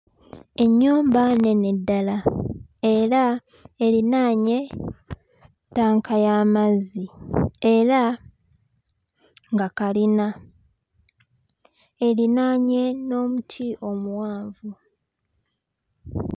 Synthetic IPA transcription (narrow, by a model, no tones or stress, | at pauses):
e̞ɲːuːmbane̞ne̞dːalae̞ɾa | elinaɲe̞ | taːŋkʰajaːmazie̞ɾa | ŋɡakalina | elinaɲe̞no̞ːmutʰiʔo̞muwaːɱvu